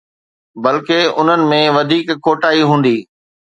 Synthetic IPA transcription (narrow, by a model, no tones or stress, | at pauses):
bɐlkeʊn̤ənɪ̆mẽʋɐd̪ʱiːkːoːʈaːiɦũːn̆d̪iː